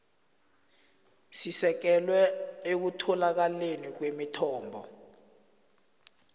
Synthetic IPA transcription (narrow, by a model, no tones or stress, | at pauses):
sisɛk̬ɛlwɛek̬utʰɔlak̬alenik̬wemitʰɔːmbʱɔ̰